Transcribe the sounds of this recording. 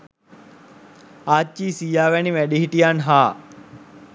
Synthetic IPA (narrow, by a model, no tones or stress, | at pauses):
aːt͡ʃiːsijaːʋæniʋæɗiɦiʈijanɦaː